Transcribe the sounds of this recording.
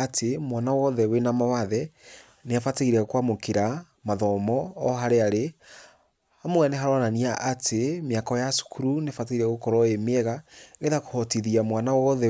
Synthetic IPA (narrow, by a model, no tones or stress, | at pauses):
atʰemwanawɔðɛwenamawaðɛ | neafateiɾɛkwamokeɾa | maðɔmɔːɦaɾeaɾe | hamoɛnɛɦaɾɔnaniaʔatʰemeakɔjasu̥kʰuɾuneafateiɾɛɣokɔɾɔemeɛɣaɣeðako̥hɔtiðiamwanawɔðɛ